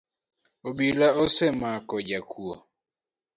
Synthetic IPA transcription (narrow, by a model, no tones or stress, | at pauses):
obilaɔsɛmakɔd͡ʒakʰuo